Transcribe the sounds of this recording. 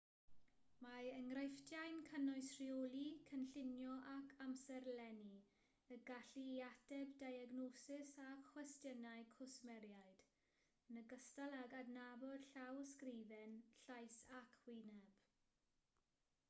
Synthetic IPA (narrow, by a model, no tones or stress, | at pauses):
maəŋrajftjajnkʰənɔɨsriolikʰənɬɪnjɔʔakʰamsɛrlɛni | əɡaɬiatɛbdajaɡnosɪsaxwɛstjənaɨkʰɔsmɛɾjaɨd̥ | ənəɡəstalˠaɡadnabɔd̥ɬawskrivɛnɬajsakʰwɪnɛb̥